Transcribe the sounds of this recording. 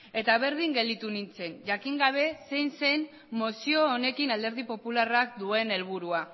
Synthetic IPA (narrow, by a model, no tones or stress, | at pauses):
e̞t̪aβ̞e̞ɾð̞iŋɡe̞ld̪it̪unint͡se̞nʝakiŋɡaβ̞e̞se̞jnse̞jn | mosio̞ːne̞kinald̪e̞ɾð̞ipo̞pularakd̪ue̞ne̞lβ̞uɾua